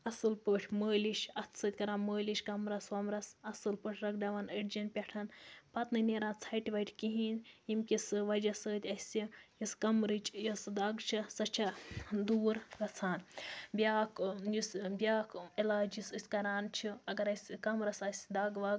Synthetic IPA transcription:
ɐsɨlpəʈʰʲməːliʃɐt̪ʰsəːt̪ʲkɐɾaːnməːliʃkɐmɾɐswɐmɾɐsɐsɨlpəʈʰʲɾɐɡɖɐʋaːnəʈd͡ʒɐnpʲeʈʰɐnpɐt̪nɨneɾãːt͡sʰɐjʈiʋɐʈʰʲkiɦinjimkʲisɨʋɐd͡ʒɐsəːt̪ʲɐsʲijiskɐmɾɨt͡ʃʼjɐsd̪aɡt͡ʃʰisɐt͡ʃʰɐd̪uːɾɡɐt͡sʰaːnbʲjaːkjusbʲjaːkʰilaːd͡ʒisɨsʲkɐɾaːnt͡ʃʰiɐɡɐɾɐsʲkɐmɾɐsɐsʲd̪aːɡʋaːɡ

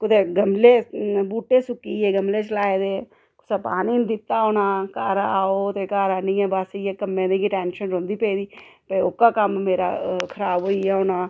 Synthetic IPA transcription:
kʊd̪eːɡəmleːbuːʈeːsʊkːiːeːɡəmleːt͡ʃəlaːeːd̪eː | kʊ̥saːpaːniːnd̪ɪt̪ːaːoːnaːkaːɾaaːoːt̪eːkaːɾaːnĩːɛːbaːsijekəmːẽːd̪eɡeʈɛːnʃənɾõnd̪iːpeːid̪iːpəokːaːkəmːeːɾa̰ːkʰəɾaːboːiːɛɦoːnaː

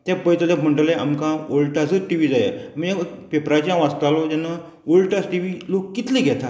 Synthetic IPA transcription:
t̪japəjt̪əlekm̤əɳʈəlea̰mkãolʈasəʈiʋiːd͡zaja̰məe | pepɾat͡ɕjãʋast̪alɔd͡ʑ̪anːa | olʈasʈiʋiːlokːit̪leɡʱɛt̪a

